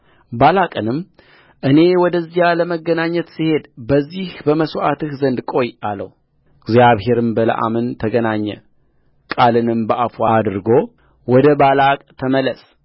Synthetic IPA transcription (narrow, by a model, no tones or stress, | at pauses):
balakʼɨnɨmː | ʔɨne̞wɔd̪əzːijaləməɡːənaɲːət̪sihe̞d̪bəzːihbəməsʔat̪ɨhzənd̪kʼo̞jalə̰hu | ɡzjaβhe̞ɾɨmbələ̰ʔa̰mɨnt̪ʰəɡənaɲːɛ̰ | kʼalɨnɨmbəʔafad̪ɨɾɡo̞ | wɔd̪əbalakʼt̪ʰəmələs